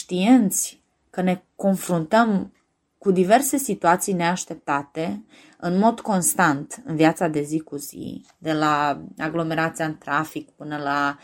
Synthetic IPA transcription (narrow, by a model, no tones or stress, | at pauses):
ʃt̪ient̪sʲ | kəne̞ko̞nfɾunt̪əm | kud̪ive̞rse̞sit̪uat̪sijne̞aʃt̪e̞p̚t̪at̪e̞ | ɨnmo̞d̪ko̞nst̪ant̪ɨnviat̪sad̪e̞zikuzḭ | d̪e̞laaɡlo̞me̞ɾat̪siaɨnt̪ɾafikpɨnəla